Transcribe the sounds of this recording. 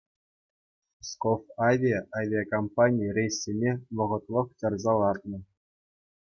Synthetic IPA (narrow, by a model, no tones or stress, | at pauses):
skofɑvʲiaʔavʲijakompanʲijrʲejsʲːenʲeʋɤ̆ʁɤ̆t̪lˠɤ̆χt͡ɕɑrzɑlˠɑrt̪nɤ̆